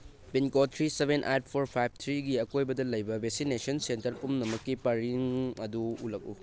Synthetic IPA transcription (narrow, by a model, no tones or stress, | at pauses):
pinkot̪ʰɾisebʱenʔa̰jt̚pʰoɾpʰajb̚ʱt̪ʰɾiɡiɐkojbɐdɐlɐjbɐbʱek̚sinesɐnsentɐɾpumnɐmɐkːipɐɾiŋɐduulɐk̚ṵ